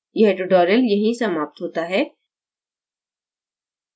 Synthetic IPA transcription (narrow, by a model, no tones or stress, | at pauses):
jɐɦʈʊɖɔːɾəljɐɦisɐmaːp̚t̪ɦoːt̪aɦɛː